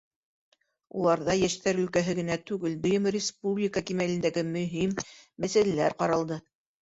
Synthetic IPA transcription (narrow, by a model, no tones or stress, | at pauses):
ṵlˠɑɾðɑjæʃt̪æɾɵ̆lkæɦɘɡɘ̆næt̪ʉɡɘld̪ŏjɤmrʲɪspublʲɪkakimælɘ̆nd̪æɡɘmɵ̆ɦimːæsælælæɾqɑɾɑlˠd̪ɤ